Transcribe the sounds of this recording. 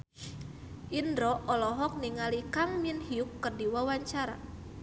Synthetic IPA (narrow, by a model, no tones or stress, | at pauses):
ʔindɾɔʔɔlɔɦɔk̚niŋalikaŋminhiukːərdiwawaɲt͡ʃaɾa̰